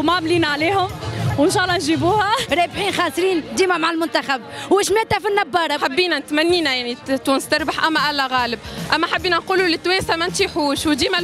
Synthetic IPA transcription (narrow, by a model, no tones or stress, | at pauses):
maʕmliːnʕaliːhʊmwɪnʃæːʔlˤːɑnʒiːbuːhæɾˤeːbħiːnxɑːsˤɾiːnd̪iːmæmaʕalmʊnt̪æxæbwɪʃmæːt̪ːæfinːɑbːɑːɾˤɑħabːiːnænɪt̪mænːiːnæjaʕnit̪uːnst̪ɑɾˤbaħʔæmːæʔælːæɣæːlɪbʔæmːæħabːiːnænquːlulɪt̪ːweːnsamænt̪iħuːʃwd̪iːmæ